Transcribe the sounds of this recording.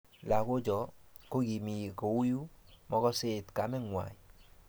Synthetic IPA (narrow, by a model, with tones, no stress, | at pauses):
la˨ko˦d͡ʒɔ˨ko˦ɡi˨mi˨ko˨u˦ju˦mɔ˦kɔ˦se˦tka˨˦mɛ˦ŋwa̰˨i˨